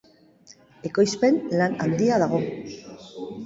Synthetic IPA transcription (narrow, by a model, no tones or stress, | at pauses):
e̞ko̞jspe̞nlana̰nd̪iað̞aɣ̞o̞